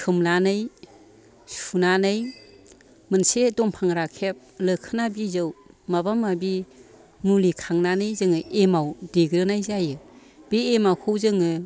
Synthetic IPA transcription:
kʰɯmnanɯj | sunanɯj | mɯnsedɔmpʰaŋɾakʰep̚lɯkʰɯnabizɯwmabamabi | nulikʰaŋnanɯjzɯŋɯemawdeɡɾɯnajzajɯ | b̥iemawkʰɯwzɯŋɯ

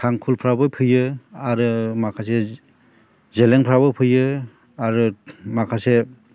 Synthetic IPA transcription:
kʰaŋkʰulpʰɾabɯpʰɯjɯaɾɯmakʰase | zeleŋpʰɾabɯpʰɯjɯ | aɾɯmakʰase

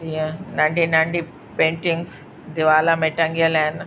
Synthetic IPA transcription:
iẽnɐ̃ɳɖinɐ̃ɳɖi | pẽːɳʈɪ̃ŋɡs | d̪ɪʋaːlameːʈɐ̃ŋɡijəlaːɪn

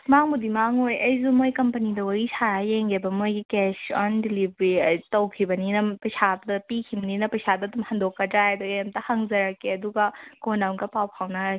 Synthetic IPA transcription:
maŋmudimaŋojʔɐjzumojkɐmpɐnidɐwɐɾisʰaɐjeŋɡebɐmojɡikesɔndilibɾitɐwkʰibɐninɐpɐjsʰabdɐpikʰibɐninɐpɐjsadɐːdumhɐndokːɐtajedɔemtɐhɐŋzɐɾɐkʰːeɐduɡɐkonawŋɡɐpawpʰawna

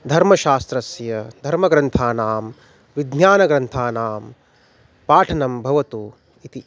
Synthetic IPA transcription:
d̪ʱɐɾmɐʃaːst̪ɾɐsjɐd̪ʱɐɾmɐɡɾɐnt̪ʰaːnaːm | ʋid̪njaːnɐɡɾɐnt̪ʰaːnaːm | paːʈʰɐnɐmbʱɐʋɐt̪u | it̪i

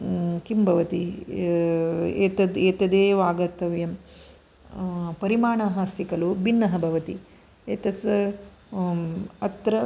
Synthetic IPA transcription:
kimbʱɐʋɐt̪i | eːt̪ɐd̪eːt̪ɐd̪eːʋaːɡɐt̪ːɐʋjɐm | pɐɾimaːɳɐɦaːst̪ikɐlubinːɐɦɐbʱɐʋɐt̪i | eːt̪ɐt͡sɐ | ɐt̪ɾɐ

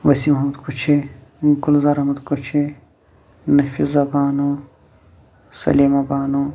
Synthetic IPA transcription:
ʋɐsimɦɐmɐd̪kut͡ʃʰeɡulzɐɾɐɦmɐd̪kut͡ʃʰe | nɐfizɐbaːnu | sɐ̰liːmɐbaːnu

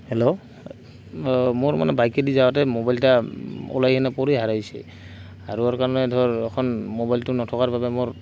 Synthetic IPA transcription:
hɛlo | mʊɹma̰nɛbajkedizawatɛmobajltaɔ̰lajkʰɛnapɔɹiɦaɹajsɛ̰ | aɹuaɹkaɹɔnɛdʱɔɹɛkʰɔnmobajltʊnɔtʰɔkaɹbabɛmʊɹ

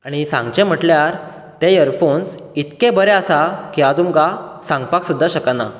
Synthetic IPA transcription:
aɽ̃isã̰ŋɡt͡ɕẽm̤əʈljaɾ | t̪ejəɾfons | it̪kebəɾɛasakiʋat̪umkasãŋɡpaksud̪ʱːaɕəkənːa̰

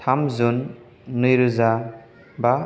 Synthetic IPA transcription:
tʰamzunː | ɯjɾuza | ba

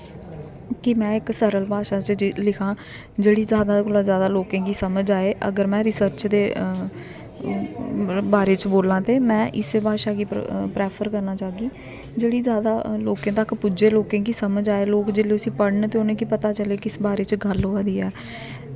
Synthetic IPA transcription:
kɪmɛ̃ːɪksəɾəlbʱaːʃaːt͡ʃlɪkʰãː | d͡ʒeːɽiːzjaːd̪aːkolaːzjaːd̪aːloːkẽːkiːsəməd͡ʒaːeːʔə̰ɡəɾmɛ̃ːɾɪsəɾt͡ʃd̪eː | baːɾeːt͡ʃboːlãːt̪eːmɛ̃ːʔɪsebʱaːʃaːɡiːpɾɛːpʰəɾkəɾnaːt͡ʃaːɡiː | d͡ʒeːɽiːzjaːd̪aːloːkẽːt̪əkpʊd͡ʒeːloːkẽːkisəməd͡ʒaːeːloːkd͡ʒɪleːʊsĩːpəɽɳt̪eːʊnẽːkipət̪aːt͡ʃəleːkɪsbaːɾeːt͡ʃɡəlɦoːãːd̪iːɛː

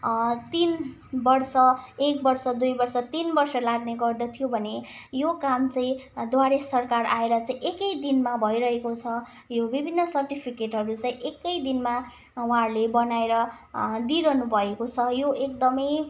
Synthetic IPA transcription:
t̪inbʌrsʌek̚bʌrsʌd̪ujbʌrsʌt̪inbʌrsʌlaɡneɡʌrd̪ʌt̪ʰijobʱʌnejokamt͡sʌ̃ĩd̪waɾesʌrkaraeɾʌt͡sãĩʔekʌjd̪inmabʱʌjɾʌɦekot͡sʰʌ | jobibʱinːʌsʌrʈipʰikeʈɦʌɾut͡saĩʔekʌjd̪inma | ũɦarlebʌnaeɾʌ | d̪iɾʌnubʱʌekot͡sʰʌjoekd̪ʌmʌj

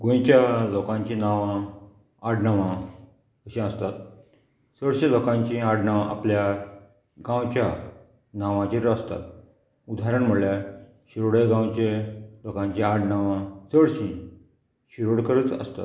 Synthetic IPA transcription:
ɡõjt͡ɕjalokãɲt͡ɕĩnaʋã | aɽnaʋã | kəɕĩəst̪at̪̚ | səɽɕĩlokãɲt͡ɕĩaɽnaʋaʔa̰plja | ɡãwt͡ɕja | naʋãt͡ɕiɾəst̪a̰t̪ | ud̪ʱaɾəɳm̤əɽlja | ɕiɾoɽəjɡãwt͡ɕelokãɲt͡ɕiaɽnaʋãsəɽɕĩ | ɕiɾoɽkəɾət͡sə̰st̪a̰t̪

